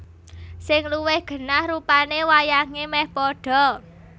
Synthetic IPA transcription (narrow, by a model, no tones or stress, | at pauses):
sɪŋluwɪhɡ̥ə̤nahrupanewajaŋemɛhpɔɖ̥ɔ̤